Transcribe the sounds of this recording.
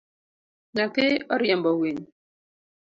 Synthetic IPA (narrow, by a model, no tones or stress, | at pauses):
natɪɔɾjɛmbɔwiɲ